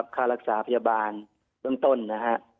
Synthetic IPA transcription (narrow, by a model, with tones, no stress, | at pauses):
p̚kʰaː˧˩la˧k̚saː˩˦pʰa˧jaː˧baː˨n | b̥ɯ˧əŋt̪o˧˩˨nːa˧ɦa˧ʔ